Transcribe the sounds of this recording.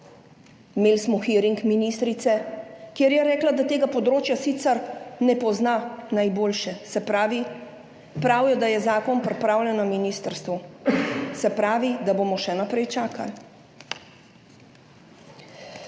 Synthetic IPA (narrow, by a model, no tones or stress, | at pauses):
meːlsmɔxiːɾiŋkminist̪ɾit̪sɛkjeːɾjɛɾɛːklad̪at̪eːɡapɔd̪ɾoːt͡ʃjasit̪sɛɾnɛpɔznanajboːlʃɛsɛpɾaːʋi | pɾawjɛd̪ajɛzaːkɔnpɾɛpɾaːwlʲjɛnaminiːst̪əɾst̪ʋu | sɛpɾaːʋid̪aboːmɔʃɛnapɾɛjt͡ʃaːka̰l